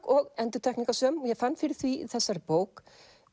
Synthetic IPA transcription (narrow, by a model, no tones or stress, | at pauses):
kɔɣɛnt̪ʏɾ̥t̪ʰɛkniŋkasœːmɔjɛɣfanːfɪɾɪ̥θviθɛsːaɾpoːwk